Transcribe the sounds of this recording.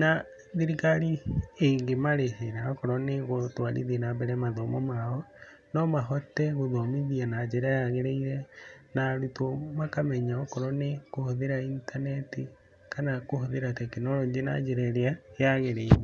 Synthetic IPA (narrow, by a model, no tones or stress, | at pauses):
na | ðiɾikaɾieŋɡemaɾeɦeɾaɔkɔɾɔneɣotwaɾḭðienabɛɾɛmaðɔmɔmaɔ | nɔmaɦɔtɛɣoðɔmiðianad͡ʒeɾajaɣeɾeiɾɛnaɾutomakamɛɲaɔkɔɾɔnekohoðeɾaintanɛti | kanakohoðeɾatɛkenɔɾɔd͡ʒena̰d͡ʒeɾɛɾeajaɣeɾeiɾe